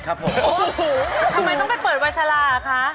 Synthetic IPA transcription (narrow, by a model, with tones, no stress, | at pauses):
kʰa˦˥pʰo˨˦ | t̪ʰa˧maː˧˩jnɔ˥pa˨˩jpɤː˨˩t̪̚wa˧j̚sʰa˧laː˧˩˨kʰa˦˥